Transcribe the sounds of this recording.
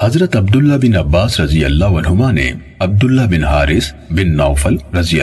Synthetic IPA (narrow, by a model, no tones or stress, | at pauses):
hɐzɾɐt̪ɐb̚d̪ulːabinɐbːaːsɾɐzijɐ̰lːaːɦuɐnɦumaːnḛ | ɐb̚d̪ulːabinɦaːɾis | binːɐwfɐlɾɐzijɐ̰